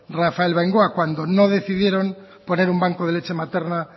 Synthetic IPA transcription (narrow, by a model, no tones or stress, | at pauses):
rafaelβeŋɡoakwand̪onoð̞e̞θiðjeɾo̞m | po̞ne̞ɾumbaŋkoðele̞t͡ʃe̞mat̪e̞ɾna